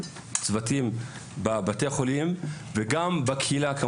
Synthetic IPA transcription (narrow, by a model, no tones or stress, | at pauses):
t͡svatim | babateaχolim | veɡambakehilakʰa